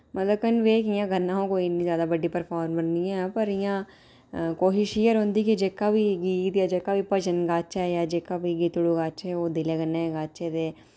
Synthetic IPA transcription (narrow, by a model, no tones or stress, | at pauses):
mət̪ləb̚kənʋeːkɪjãːɡənːãːõːkoːiːniːzjaːd̪aːbəɖːiːpəɾpʰaːɾmbənːiːɛ̃ːpəɾɪjãː | koːʃɪʃiːəɾɦõːnd̪iːkid͡ʒeːkaːʋiːɡiːt̪jaːd͡ʒeːkaːʋiːpəd͡ʒənɡaːt͡ʃɛːjaːd͡ʒeːkaːʋiːɡiːt̪ʊɽuːɡaːt͡ʃɛːoːd̪ɪleːɡənːẽːɛːɡaːt͡ʃeːd̪eː